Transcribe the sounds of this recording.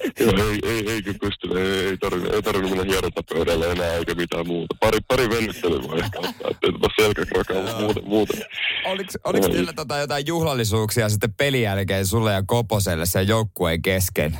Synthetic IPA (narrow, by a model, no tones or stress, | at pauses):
joeieieikypyst̪ynæeeit̪ɑrʋinṵʔḛit̪ɑrʋinumenːæhiɑɾot̪ːɑppøyɾælːæenæːeikæmit̪æːmmuːt̪ɑpɑɾipɑɾiʋenːet̪ːely̰ʋɑ̰ehkæot̪ːɑ̰ːḛt̪ːeit̪ot̪ːɑselkækrɑkɑːʋɑmuːt̪emuːt̪enoliksolihkɑ̰ilːæt̪ot̪ɑjot̪ɑijjuhlɑlːisuːksiɑsit̪ːeppelijælkeːnsulːejɑkoposelːesːejoukːueŋkeskḛn